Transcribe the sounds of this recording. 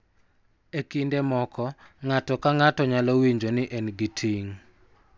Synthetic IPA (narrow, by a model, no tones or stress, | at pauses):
ekindɛmɔkʰɔŋatɔkaŋatɔɲalowiɲd͡ʒonɪʔɛnɡitʰiŋ